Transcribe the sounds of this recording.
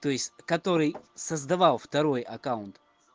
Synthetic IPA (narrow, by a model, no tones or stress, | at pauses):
t̪ojsʲkɐt̪ɔɾisɐzd̪ɐvalˠft̪ɐɾojɐkaʊnt̪